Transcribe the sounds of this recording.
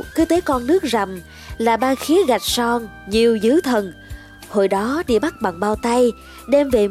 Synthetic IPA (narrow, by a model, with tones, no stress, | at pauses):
kɨ˨˦t̪e˨˦kɔ˧nnɨ˦˥ək̚za˨˩m | laː˨˩ɓaː˧xi˨˦əɣa˨˩jk̚sɔ˧ŋɲi˨˩əwzɨ˨˦t̪ʰə˨˩n | ho˨˩jɗɔ˨˦ɗḭ˧˨əɓa˦˥k̚ɓa˨˩ŋɓaː˧wt̪a˧j | ɗɛ˧mve˨˩